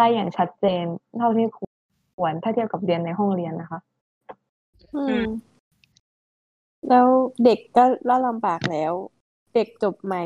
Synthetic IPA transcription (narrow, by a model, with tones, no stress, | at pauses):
aː˧˥jːaː˨˩ŋt͡ɕʰa˦˥t̪̚t͡ɕeː˧nlʰa˥˩wt̪ʰa˥˩kʰu˨˩ | u˨˩˦ənt̪ʰaː˥˩t̪ʰi˥əwka˨˩p̚ɾi˧nːa˧jɦɔ˥˩ŋɾi˧ənːa˦˥kʰa˦˥ʔ | ʔɯː˧˩m | lɛː˦˥wde˨˩kːɔː˥˩la˦˥˩wla˧mbaː˨˩k̚lɛː˦˥w | de˨˩k̚t͡ɕo˨˩p̚ma˨˩